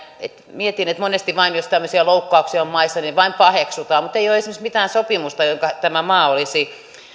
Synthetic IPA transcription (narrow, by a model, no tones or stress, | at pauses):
ḛt̪miet̪inet̪monest̪iʋɑinjost̪æmːøsiɑloukːoɑuksiɑommɑisːɑniʋɑimpɑheksut̪ɑːmut̪eijoesimeksmit̪æːnsopimust̪ɑjoŋkɑt̪æmæmɑːolisi